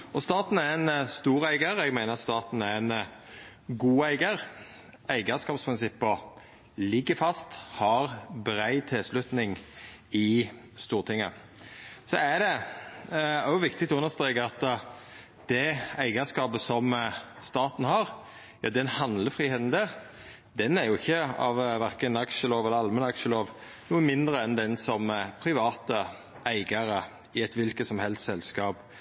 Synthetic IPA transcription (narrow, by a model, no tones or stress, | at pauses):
ɔst̪ɑːt̪n̩æɾɛnst̪uːɾæɪɡəɾɛɡmæɪnəɑt̪st̪ɑːt̪n̩æɾɛn | ɡuːæɪɡəɾ | æɪɡəskɑːpspʰɾɪnsɪpːɔ | lɪɡːəfɑst̪hɑɾbɾæɪt̪ʰɪlslʉt̪nɪŋɪ | st̪uːʁt̪ʰɪŋːə̰ | sɔæd̪ɛ | æjʊʋɪkt̪ɪk̚t̪ɔʉnəst̪ɾeːkəɑt̪ | d̪̥ɛæɪɡəskɑːbəsɔmst̪ɑːt̪n̩hɑʁ | jɑːd̪ɛnhɑnd̪ləfɾiːheːt̪n̩d̪æːʁ | d̪ɛnæɾjʊɪçːəɑ̰ʋʋæɾkənɑkʃəloːʋɛlːəɾɑlmənɑkʂəloːʋ | nuːənmɪnd̪ɾəɛnd̪ɛnsɔmpʰɾɪʋɑːt̪ə | ʔæɪɡəɾə | ɪɛt̪ʋɪlkət̪sɔmhɛlst̪sɛlskɑːp